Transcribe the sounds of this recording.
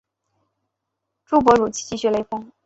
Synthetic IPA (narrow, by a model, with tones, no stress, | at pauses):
ʈ͡ʂu˥p̬wɔ˧˥ɻu˨˩t͡ɕʰi̥˥t͡ɕi˥˩ɕɥɛ˥˩le˧˥ɪfʊ˥ŋ